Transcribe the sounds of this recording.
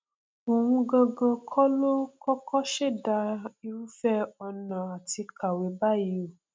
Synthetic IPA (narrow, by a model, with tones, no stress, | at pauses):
o˨w̃ũ˧ɡɔ̃˧ɡɔ̃˧kʰɔ˦lo˦kɔ˦kɔ˦ʃe˦˨da˧i˧u˦fɛ˦ɔ˧nã˨a˨ti˧kʰa˨we˨˦ba˦ji˨˦o˨